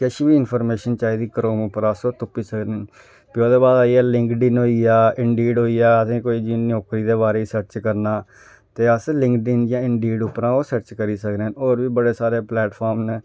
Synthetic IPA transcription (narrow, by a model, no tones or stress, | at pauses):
kəʃbiːɪnpʰɔːɾmeːʃənt͡ʃaːiːd̪iːkɾoːmʊpəɾəsoːt̪ʊpːiːsəkɾen | pɪoːd̪eːbaːd̪aːiːɛːlɪŋkɖɪnɦoːiːaːɪɳɖiːɖɦoːiːaːəsĩːkoːiːd͡ʒiːnoːkɾiːd̪eːβaːɾeːiːsəɾt͡ʃkəɾnaː | t̪eːəslɪ̃ŋkɖɪnd͡ʒãːɪɳɖiːɖʊpɾãːoːsəɾt͡ʃkəɾiːsəkɾenoːɾʋiːbəɽeːsaːɾeːplɛːʈpʰɔːɾmnː